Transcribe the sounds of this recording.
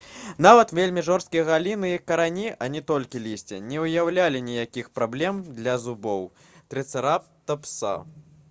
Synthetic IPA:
navɐt̪vʲelʲmʲiʐɔrst̪̚kʲijɐɣalʲinɨikɐɾanʲiʔɐnʲɛt̪ɔlʲkʲilʲisʲt͡sʲɛ̰nʲɛɨjawlʲalʲinʲijakʲixpɾablʲɛmd̪lʲɐzubɔw | t̪ɾɨt̪sɨɾap̚t̪ɐpsa̰

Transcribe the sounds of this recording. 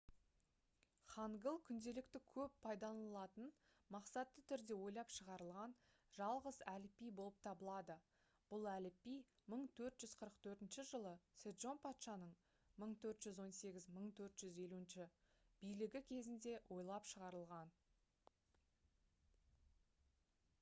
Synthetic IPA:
χɑŋɡəlˠkʲʰʏnd̪e̞lɪkt̪ɪkʲʰɵpʰːɑjd̪ɑlˠɑt̪ən | mɑqsɑt̪ːət̪ʰʏɾd̪e̞wo̞jlˠɑpʃəʁɑɾəlˠʁɑn | ʒɑlˠʁəzælɪpːijbo̞lˠəp̚t̪ʰɑbəlˠɑd̪ə | b̥ʊlˠælɪpːij | məɴt̪ʰɵɾt̪ʒʏz̥qʰəɾəqt̪ʰɵɾt̪ɪnʃɪʒəlˠəsed̪ʒo̞npʰɑt̪ʃɑnəɴ | məɴt̪ʰɵɾt̪ʒ̥ʏzwo̞nse̞ɡʲɪzməɴt̪ʰɵɾt̪ʒ̥ʏze̞luɪnʃɪ | b̥ijlɪɡʲɪkʲʰe̞zɪnd̪e̞wʔo̞jlˠɑpʃəʁɑɾəlˠʁɑn

